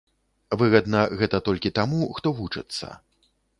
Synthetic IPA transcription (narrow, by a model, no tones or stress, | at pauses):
vɨɣɐd̪nɐɣɛt̪ɐt̪ɔlʲkʲit̪amuxt̪ɔvut͡ʂɨ̰t̪sːɐ̰